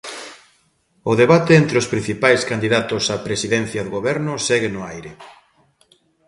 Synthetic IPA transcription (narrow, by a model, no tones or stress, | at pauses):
ʊðeβat̪eent̪ɾeʊspɾĩn̟θipajskand̪iðat̪ʊsapɾesiðɛn̟θjɐðʊɣoβɛɾnʊsɛɣenʊajɾe